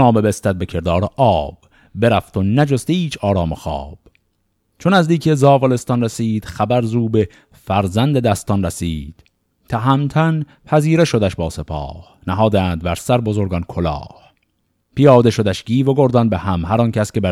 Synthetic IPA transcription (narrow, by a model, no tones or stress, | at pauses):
ɒːme̞best̪æt̪̚be̞cʰe̞ɾd̪ɒːɾeʔɒːb̥ | be̞ɾæft̪o̞næd͡ʒost̪iːt͡ʃʰɒːɾɒːmoxɒ̰ːb̥ | t͡ʃʰonæzd̪iːkʰezɒːvole̞st̪ɒnresiːd̪̥χæbæɾzuːbe | fæɾzænd̪ed̪æst̪ɒnræsiːd̪̥ | t̪ʰæɦæmt̪ʰæn | pʰæziːɾeʃo̞d̪æʃbɒːse̞pʰɒ̰ːh | næɦɒːd̪æːnd̪̚bæɾsæɾbo̞zoɾɡɒnkʰolɒ̰ːh | pijɒːd̪e̞ʃo̞d̪æʃɡiːvoɡoɾd̪ɒnbehæmhæɾɒncʰæscebæ